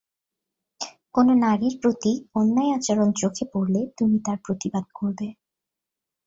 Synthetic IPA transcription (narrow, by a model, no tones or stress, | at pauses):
kononaɾiɾpɾot̪ionːaeat͡ɕaɾont͡ɕokʰepoɾlet̪umit̪aɾpɾot̪ibad̪̚koɾbe